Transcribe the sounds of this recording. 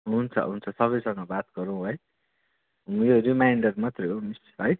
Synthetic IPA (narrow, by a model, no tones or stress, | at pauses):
ɦunt͡sʰʌ̰ɦunt͡sʰʌsʌβʌjsʌŋɡʌbat̪ɡʌɾũw̃ɦʌj | ũjorimajɳɖʌrmʌt̪reɦomisɦʌj